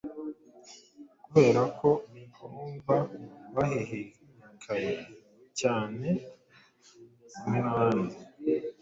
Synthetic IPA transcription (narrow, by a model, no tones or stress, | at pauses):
kuβe̞ːɾakʰo̞nikʰomvaβahehe | kʰaɾe | caːne̞ | uminaːnde